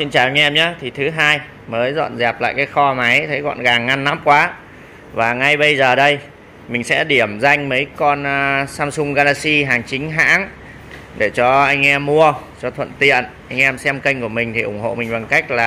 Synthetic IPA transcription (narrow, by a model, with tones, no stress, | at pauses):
si˧nt͡ɕaː˨˩wʔa˧ŋ̟ʔɛ˧mɲaː˨˦t̪ʰi˨˩t̪ʰɨ˨˦ɦaː˧j | məː˨˦jzɔ̰˧˨nzɛ˨˩p̚la̰ː˧˨jkaː˨˦jxɔ˧ma˨˦jt̪ʰə˨˦jkɔ̰˧˨nɣaː˨˩ŋːa˧nːa˨˦mkwaː˨˦ | vaː˨˩ŋa˧jɓə˧jzəː˨˩ɗə˧j | mï˨˩ŋ̟sɛ̰˧˥ɗi˧˩əmza˧jŋ̟mə˨˦jkɔ˧nsaː˧msʊ˧ŋ͡mɣaː˧laː˧t̚si˧ɦaː˨˩ŋt͡ɕï˨˦ŋ̟ɦa̰ː˧˥ŋ | ɗe˧˩t͡ɕɔ˧ʔa˧jŋ̟ʔɛ˧mːu˧ət͡ɕɔ˧t̪ʰwə̰˧˨nt̪ḭ˧˨ənʔa˧jŋ̟ʔɛ˧msɛ˧mkə˧jŋ̟ku˧˩əmï˨˩ŋ̟t̪ʰi˨˩ʔʊ˧˩ŋ͡mho̰˧˨mï˨˩ŋ̟ɓa˨˩ŋka˦˥jk̟̚laː˨˩